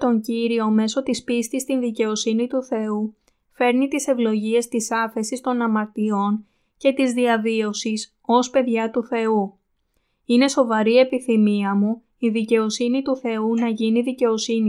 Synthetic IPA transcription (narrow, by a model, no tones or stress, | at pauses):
t̪o̞ɲɟiɾio̞me̞so̞t̪ispist̪ist̪inðice̞o̞sinit̪uθe̞u | fe̞ɾnit̪ise̞vlo̞ʝie̞st̪isɐfe̞sist̪o̞nɐmɐɾt̪io̞n | ce̞t̪izðiɐvio̞sis | o̞spe̞ðʝɐt̪uθe̞u | ine̞so̞vɐɾie̞piθimiɐmu | iðice̞o̞sinit̪uθe̞unɐʝiniðice̞o̞sini